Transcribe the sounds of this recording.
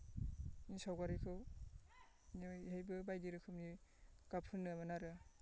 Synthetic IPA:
nisawɡaɾikʰɯw | nihejbɯbajdiɾɯkʰɯmniɡ̥apʰɯnːɯmanaɾɯ

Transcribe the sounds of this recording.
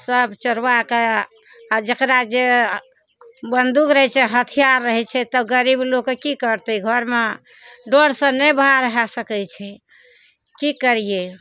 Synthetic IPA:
səbt͡ʃəɾwake | d͡ʒəkɾad͡ʒe | bənd̪ukɾəɦɛt͡ʃʰɛɦət̪ʰijaɾːəɦɛt͡ʃʰɛt̪əɡəɾiblokekikəɾt̪ɛɡʱəɾme | ɖoɽsə̃nɛbaɾəɦasəkɛt͡ʃʰɛ | kikəɾije

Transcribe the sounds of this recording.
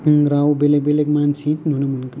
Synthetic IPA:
ɡɾawbelebelekmansʰĩt̪nunɐmənk

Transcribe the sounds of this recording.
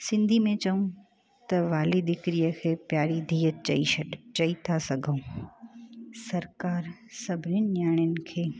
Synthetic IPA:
sɪ̃nd̪ʱimẽt͡ɕɐũ | t̪ɐʋaːlid̪ɪkɾijəkʰeːpjaːɾid̪ʱiːət̪̚t͡ɕɐ̰iʃɐɗt͡ʃɐit̪ʰasɐɡʱəũː | sɐɾkaːɾsɐbʱɪnənɪnjaːɽ̃ənɪ̆kʰeː

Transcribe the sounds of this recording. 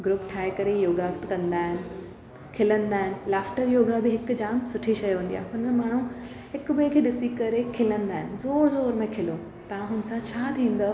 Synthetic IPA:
ɡɾʊpʈʰaːekɐɾejoːɡakt̪̆kɐ̃nd̪aːɦɪnɪ̆ | kʰɪlə̃nd̪aːɦɪnɪ̆laːfʈəɾjoːɡabɪɦɪk̆d͡ʑaːmsʊʈʰiʃɐjʋẽːn̆d̪ija̰ːɦɦʊnənmaːɳ̤̃u | hɪkbəkʰeːɗɪsikɐɾekʰɪlə̃nd̪aːɦɪnɪ̆zoːɾzoːɾmẽkʰɪlo | t̪ɐʋ̤ãɦʊnsãt͡ɕʰaːt̪ʰĩːn̆d̪ə

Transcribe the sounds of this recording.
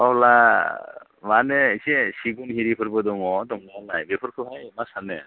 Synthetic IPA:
ɔla | maneisesiɡunhiɾipʰɯɾbɯdɔŋɔdɔŋnanajbepʰɔɾkʰɯpʰajmasane

